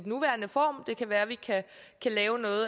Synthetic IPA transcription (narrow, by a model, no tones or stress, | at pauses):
dnuʋæɐnəfɒ̰ːmd̥e̝kʰæʋæːɐʋikʰæ | kʰælɛːʊnɔ̽ːð̩ˠ